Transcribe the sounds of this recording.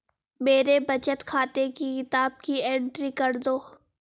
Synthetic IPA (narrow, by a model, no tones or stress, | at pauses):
meːɾebɐt͡ʃət̪kʰaːt̪ekikɪt̪aːb̚kiẽːɳʈɾikɐɾd̪oː